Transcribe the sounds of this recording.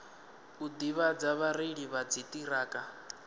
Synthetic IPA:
ud̪iβad͡zaβaɾiɺiβad͡zitʼiɾaːkʼa

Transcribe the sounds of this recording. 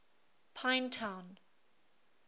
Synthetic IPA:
pʰãɪ̃ntʰãw̃n

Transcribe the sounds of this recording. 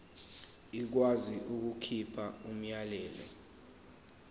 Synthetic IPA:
ik̬waziʔuk̬ukʰipʰaum̩jalɛːlɛ̰

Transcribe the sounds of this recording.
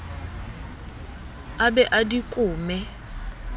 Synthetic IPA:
abɛʔadikʼuːmɛ

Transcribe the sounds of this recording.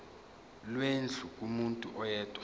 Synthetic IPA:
lwend͡ɮʱukʼumuntʼuʔɔjɛːtʼwa

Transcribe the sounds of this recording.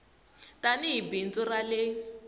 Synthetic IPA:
taniɦibint͡sɔralɪ

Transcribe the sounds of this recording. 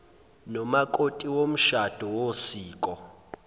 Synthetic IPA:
nɔmakʼotʼiwom̩ʃad̥ʱɔwosiːkʼɔ

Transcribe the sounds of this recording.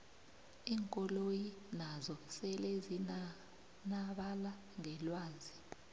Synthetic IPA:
iːŋkʼɔlojinazɔsɛlezi | naɓala | ŋɛlwaːnd͡zʱi

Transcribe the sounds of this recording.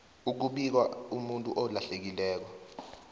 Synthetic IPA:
uk̬uɓik̬waumuntʼuʔɔlaɬek̬ilɛːk̬ɔ

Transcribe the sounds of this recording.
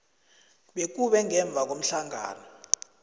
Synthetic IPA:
ɓek̬uɓɛŋɛɱb̪vʱak̬om̩ɬaŋa̰ːnɔ

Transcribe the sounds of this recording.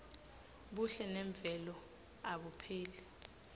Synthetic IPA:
ɓuɬɛnɛɱb̪vʱɛlɔ | aɓupʰeːlɛ

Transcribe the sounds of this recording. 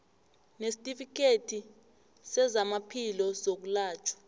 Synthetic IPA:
nesi̥tʼifik̬ʼetʰi | sɛzamapʰilɔzok̬ulaːt͡ʃʰʼḁ

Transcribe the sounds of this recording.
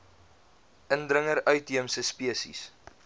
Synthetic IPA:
əndɾəŋəɾœɥtɦiəmsəspiəsḭs

